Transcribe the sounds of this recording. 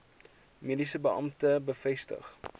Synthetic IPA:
midisəbəʔɐ̰mtəbəfɛstə̰χ

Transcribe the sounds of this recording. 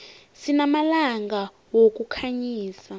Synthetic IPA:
sinamalaŋɡa | wok̬ʼukʰaɲiːsa

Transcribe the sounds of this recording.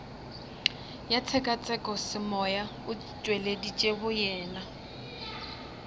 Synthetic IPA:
jat͡sʰɛkʼat͡sʼɛkʼɔsɪmɔja | ʊ | t͡ʃʼweledit͡ʃʼehʊjɛːna

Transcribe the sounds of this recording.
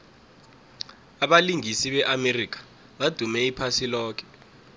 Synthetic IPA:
aɓaliŋisiɓɛʔamerik̬ḁ | ɓad̥ʱumɛipʰasilɔːk̬ʰɛ̥

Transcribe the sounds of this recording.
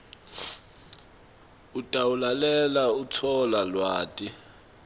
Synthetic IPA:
utʼawulalɛlaut͡sʰɔlalwaːtʼi

